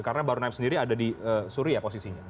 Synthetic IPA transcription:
kaɾənabaɾunaɪp̚səndiɾiadadiəsuɾiaposisiɲa

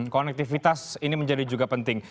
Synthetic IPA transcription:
konɛk̚t̪ifit̪asiniməɲd͡ʒadid͡ʒuɡapənt̪ɪŋ

